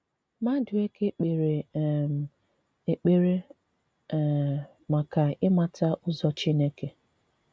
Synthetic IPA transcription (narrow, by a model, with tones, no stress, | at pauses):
ma˦dʊ˨e˦ke˦k͡pe˨ɾe˨ | e˨k͡pe˦ɾe˦˨ | ma˨ka˨ɪ˦ma˦ta˦ʔʊ˦zɔ˦t͡ʃi˦ne˦ke˨